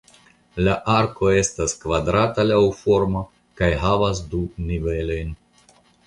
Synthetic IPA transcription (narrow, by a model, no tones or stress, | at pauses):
laʔaɾko̞e̞staskvadɾatalawfo̞ɾma | kajɦavas̬dunive̞lo̞jn